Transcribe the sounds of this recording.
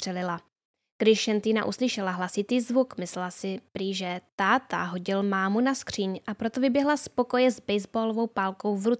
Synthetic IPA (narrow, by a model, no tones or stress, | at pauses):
r̥ɛlɪla | ɡ̥dɪʃʃɛnt̪iːna̰ʔuslɪʃɛlaɦlasɪt̪iːzvukmɪslɛlasɪpɾiːʒɛt̪aːt̪a̰ɦo̞ɟɪlmaːmunaskr̥iːɲʔapɾo̞t̪ovɪbjɛɦlaspo̞ko̞jɛzbɛjzboːlovo̞wpaːlko̞wvɾut͡s